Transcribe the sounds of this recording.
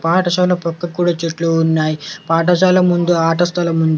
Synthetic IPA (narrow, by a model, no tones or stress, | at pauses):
paːʈɐʃaːlɐpɐkːɐkːuːɽaːt͡ʃeʈluunːaːjipaːʈ̬ɐʃaːlɐmund̪uaːʈɐst̪ʰɐlɐmund̪u